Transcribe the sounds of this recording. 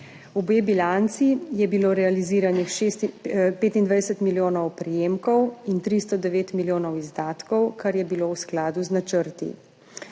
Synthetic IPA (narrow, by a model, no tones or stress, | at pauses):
ubeːbilant̪sijɛbiloːɾɛaliziːɾanix | peːt̪ind̪ʋajdɛsət̪miljoːnɔwpɾijeːmkɔwint̪ɾist̪ɔd̪ɛʋeːt̪miljoːnɔwizd̪aːt̪kɔwkaɾjɛbilowsklaːd̪uznat͡ʃəɾt̪ḭ